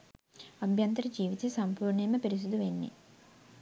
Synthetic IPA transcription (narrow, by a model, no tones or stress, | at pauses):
ɐbʱjɐnt̪ɐɾɐd͡ʒiːʋit̪esɐmpuːɾɳemɐpeɾis̬ud̪uʋenːḭ